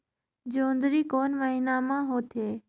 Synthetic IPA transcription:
d͡ʒoːnd̪ɾiːkoːnməɦiːnamãːɦoːt̪ʰeː

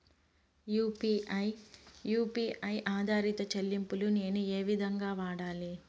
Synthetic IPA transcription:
juːpijjuːpiʔɐjʔaːd̪ʱaːɾit̪ɐt͡ʃɐlːimpulune̞ːnueːʋid̪ʱɐŋɡaːʋaːɽaːli

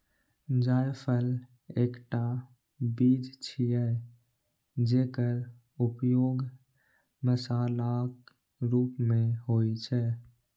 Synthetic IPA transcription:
d͡ʒaːjpʰəl | eːkʈa | biːd͡ʒt͡ʃʰijɛ | d͡ʒeːkəɾ | ʊpjoːɡ | məsaːlak | ɾuːpmẽɦoːit͡ʃʰɛː

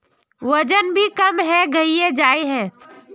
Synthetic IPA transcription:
ʋəd͡ʒənbʱikəmɦɛɡəied͡ʒaːeɦɛ̃ː

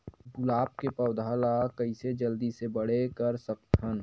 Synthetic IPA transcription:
ɡʊlaːp̚kepɐʊd̪ʱaːlakɐised͡ʒɐld̪isebəɽekɐɾsək̚t̪ʰən

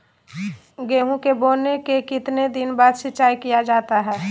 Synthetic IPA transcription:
ɡeːɦũkeboːnekekɪt̪ned̪ɪnbaːd̪ʃɪtːt͡ʃaːikijad͡ʒaːt̪aɦɛː

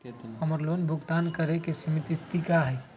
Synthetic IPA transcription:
həməɾlonbʱuɡt̪ankəɾekesimit̪it̪ikaɦɛ

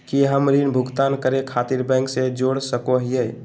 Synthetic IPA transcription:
kiɦəmɾinbʱʊɡt̪aːnkəɾekʰaːt̪iɾbɛ̃ːŋksed͡ʒoːɽsəkoɦie

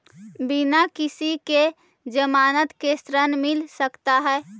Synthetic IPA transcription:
binakisike | d͡ʒəmaːnət̪kest̪ɾənmilsəkt̪aɦɛː

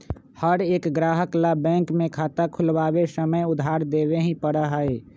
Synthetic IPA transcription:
həɾeːkɡɾaːɦəklabɛ̃ːŋkmẽkʰaːt̪akʰʊlwaːwesəməjʊd̪ʱɦaːɾd̪eːweɦĩpəɽaɦəeː

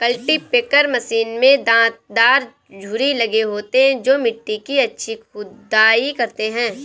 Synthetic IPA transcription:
kɐlʈipeːkəɾmɐsiːnmẽd̪ãːt̪̚d̪aːɾ | d͡ʒʱʊɾilɐɡeɦoːt̪eɦɛ̃d͡ʒoːmɪʈːikiɐtːʃʰixʊd̪aːikɐɾt̪eɦɛ̃ː

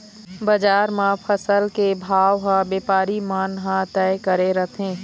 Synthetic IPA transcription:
bɐd͡ʒaːɾmãpʰəsəlkebʱaːʋɦãbeːpaːɾimaːnɦãt̪ɛːɪkəɾeɾət̪ʰẽː

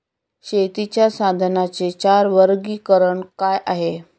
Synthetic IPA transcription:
ɕet̪it͡ɕjasad̪ʱnat͡set͡ɕaɾʋəɾɡiːkəɾəɳkajʔaɦe

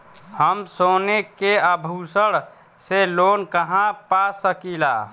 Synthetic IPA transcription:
həmsoːnekeəbʱusəɽ | selonkəɦãpasəkila̰

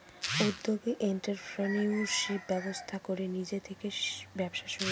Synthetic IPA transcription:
ud̪ːoɡeʔeɳʈeɾpʰɾoniuʃip̚bɛbost̪ʰakoɾenid͡ʑet̪ʰekebɛbʃaʃo

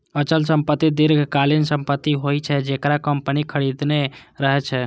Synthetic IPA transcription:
ət͡ʃəlsəmpət̪ːid̪iɾɡʱkalinsəmpət̪ːiɦojt͡ʃʰɛd͡ʒekɾakəmpənikʰəɾid̪neɾəɦɛt͡ʃʰɛ

